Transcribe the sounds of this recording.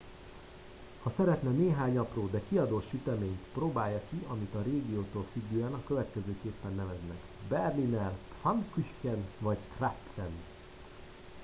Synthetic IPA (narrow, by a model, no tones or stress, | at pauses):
hɒsɛɾɛt̪nɛneːɦaːɲɒproːd̪ɛkiɒd̪oːʃyt̪ɛmeːɲt̪proːbaːjːɒkiɒmit̪ɒɾeːɡioːt̪oːlfyɡːøːɛnɒkø̞vɛt̪kɛzøːkeːpːɛnːɛvɛznɛk | bɛrlinɛr | fɒŋkyçɛnvɒɟkrapfɛn